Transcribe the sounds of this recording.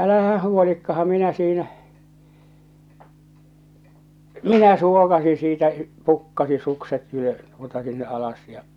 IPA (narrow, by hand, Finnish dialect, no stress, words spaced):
ʔælæhæ huolikːɑhɑm minæ siːnæ minæ suokɑsi siːtæ pukːɑsi sukset ylø tuotɑ sinːe ʔɑlɑs jɑ